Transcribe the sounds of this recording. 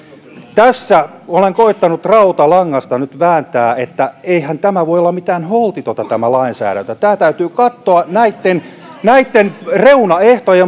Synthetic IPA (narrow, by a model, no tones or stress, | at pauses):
t̪æsːæ | oleŋkoit̪ːɑnut̪rɑut̪ɑlɑŋːɑst̪ɑnyt̪ʋæːnt̪æːet̪ːæeihænt̪æmæʋoijolːɑmit̪æːnholt̪it̪ot̪ɑt̪æmælɑinsæ̰ːɾænt̪øt̪æːt̪æyt̪yːkɑt̪ːoɑnæit̪ːen | næit̪ːenreunɑeht̪oje